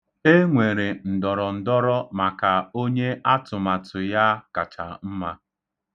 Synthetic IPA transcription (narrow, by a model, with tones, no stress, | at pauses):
e˦ŋʷe˨ɾe˨n̩˨dɔ˨ɾɔ˨n̩˨dɔ˦ɾɔ˦ma˨ka˨o˦ɲe˦a˦tʊ˨ma˨tʊ˨ja˦ka˨t͡ʃa̰˨m̩˦ma˦